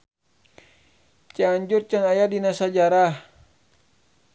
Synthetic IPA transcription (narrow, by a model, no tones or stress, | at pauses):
t͡ʃaɲd͡ʒurt͡ʃanajadinasad͡ʒaɾah